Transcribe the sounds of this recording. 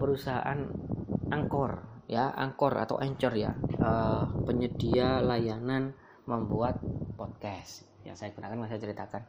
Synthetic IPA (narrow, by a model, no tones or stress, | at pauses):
pəɾusaɦa̰ʔa̰nʔaŋkɔrjaʔa̰ŋkɔra̰t̪a̰wʔɛɲt͡ʃɔrja̰əpəɲədialajanan | məmbuat̪̚pɔt̪̚kɛs | ja̰ŋsajaɡunakanmas̬ajat͡ʃəɾit̪akan